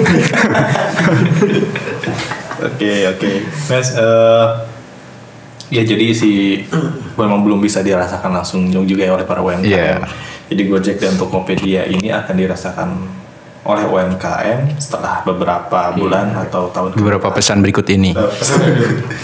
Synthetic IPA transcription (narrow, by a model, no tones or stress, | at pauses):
o̰keokemɛsə | jad͡ʒadisɪh | memaŋbəlʊmbisadiɾasakanlaŋsʊŋɲʊkd͡ʒuɡajaolɛhpaɾaoɛmkaaʔɛ̰md͡ʒadiɡuad͡ʒɛk̚danunt̪ukopediaʔinia̰kandiɾasaka̰n | ʔolɛhoɛmkaʔɛmsə̥t̪əla̰hbəbəɾapabulanat̪awt̪aʊnkbbəɾapapəsanbəɾikʊt̪inipa